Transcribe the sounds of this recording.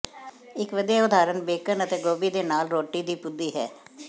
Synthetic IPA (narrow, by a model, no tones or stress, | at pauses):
ɪkʋəd̪ijaːʊd̪aːɾənbeːkənət̪eːɡoːbiːd̪eːnaːlɾoːʈːiːd̪iːpʊd̪ːiːɦɛ̰ː